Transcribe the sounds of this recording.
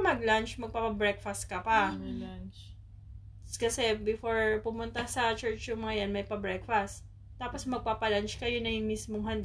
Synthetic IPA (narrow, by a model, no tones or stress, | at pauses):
mɐɡlant͡ʃmɐɡ̚papɐbɹɛk̚fɐst̪̚kɐpɐ | t͡ʃ | kɐsɛbɛfoɹpʊmʊnt̪ɐsɐt͡ʃɛɹt͡ʃjʊŋmɐŋɐjanmɐjpɐbɹɛkfɐst̪ | t̪ːaːposmɐɡ̚paːpɐlant͡ʃkɐjonɐjʊŋmismoŋɦɐnd̪